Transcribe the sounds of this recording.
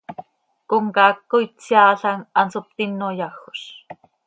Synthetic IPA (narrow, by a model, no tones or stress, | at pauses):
koŋkɑːkːojt͡sjɑːɬɑŋɑnsop̚t̪inːojɑxo̥ʃ